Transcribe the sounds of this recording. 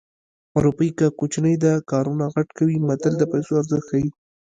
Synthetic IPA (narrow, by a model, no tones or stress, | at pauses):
aɾupɑikəkot͡ʃnəjd̪əkɑɾunaɣaʈkawimat̪əld̪əpajsoaɾzəxai